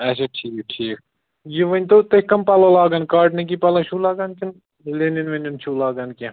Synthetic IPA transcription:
ɐs̬ɐʈʰiːk̚ʈʰiːk̚ | jiʋɐnʲt̪ot̪ɐkɐmpɐloːlaːɡɐnkaːʈnik̬ipɐlɐʃʰuːlaːɡankin | leninʋɐnʲunt͡ʃʰuːlaːɡɐnkʲi

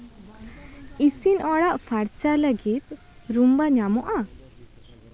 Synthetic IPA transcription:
isinɔɽaʔpʰaɾt͡ʃaləɡit̪̚ | ɾumbaɲamɔʔa

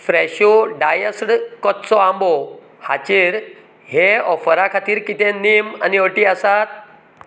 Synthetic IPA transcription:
fɾɛɕoɖajəsɽkɔt̪t͡sɔãmbɔ | ha̰t͡ɕiːɾ | ɦeɔfəɾakʰat̪iːɾkit̪ẽnima̰niəʈiasat̪̚

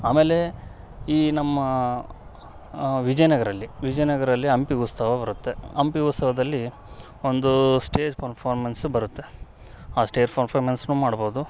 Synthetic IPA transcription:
aːme̞ːle̞ | iːnɐmːɐ | ʋid͡ʒɐjnɐɡɐɾɐlːiʋid͡ʒɐjnɐɡɐɾɐlːiɐmpiust̪ɐʋɐbɐɾut̪ːe̞ɐmpiut̪st̪ɐʋɐd̪ɐlːi | o̞nd̪usʈe̞ːd͡ʒpɐɾpʰaːɾmɐnsubɐɾut̪ːe̞ | aːsʈe̞ːd͡ʒpɐɾpʰaːɾmɐnsnuːmaːɽbo̞ːd̪u

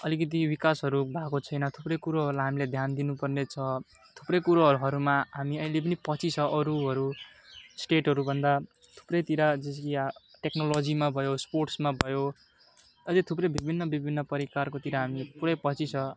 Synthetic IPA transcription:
ʌlikʌt̪iwikasɦʌɾubʱakot͡sʰʌjnʌt̪ʰuprʌjkuɾaɦʌɾulajɦamiled̪ʱjand̪inupʌrnet͡sʰʌ | t̪ʰu̥prʌjkuɾaɦʌɾuɦʌɾumaɦamiʌjlep̬ʌnipʌt͡sʰit͡sʰʌʔʌɾuɦʌɾu | sʈeʈɦʌɾubʱʌnd̪a | t̪ʰu̥prʌjt̪iɾad͡zʌskiʈeknolod͡zimabʱʌjosporʈsmabʱʌjo | ʌjlet̪ʰuprʌjbibʱinːʌbibʱinːʌpʌɾikarkot̪iɾaɦamipuɽʌjpʌt͡sit͡sʰʌ

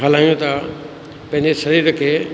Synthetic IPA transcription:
ɦəlaːjũt̪ʰa | pɐ̃ɦɪ̃ɲd͡ʑesɐɾiːɾəkʰeː

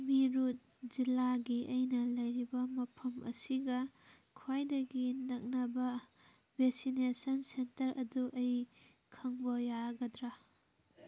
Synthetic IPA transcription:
miɾut̚ | zilaɡiʔɐjnɐlɐjɾibɐmɐpʰɐmɐ̰siɡɐ | kʰwajdɐɡinɐk̚nɐbɐ | bʱesinesɐnsentɐɾɐduʔɐj | kʰɐŋbɐjaɡɐdɾa

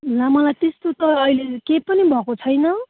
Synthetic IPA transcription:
lamʌlajt̪est̪ot̪ʌʌjlekepʌnibʱʌkot͡sʰʌjnʌ

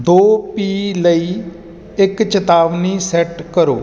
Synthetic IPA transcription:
d̪oːpiːləiː | ɪkt͡ʃət̪aːʋniːsɛʈkəɾo̰ː

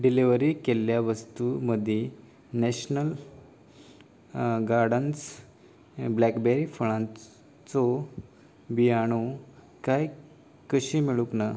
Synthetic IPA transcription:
ɖiliʋəɾikelːjaʋəst̪uməd̪ʱːje | nɛɕnəl | ɡaɾɖəns | blɛkbeɾifəɭã | t͡sɔ | biaɽ̃o | kaj | kəɕimiɭukna

